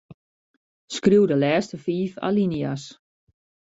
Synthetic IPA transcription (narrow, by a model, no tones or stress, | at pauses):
skruwdəlɛːstəfiːfa̰linjas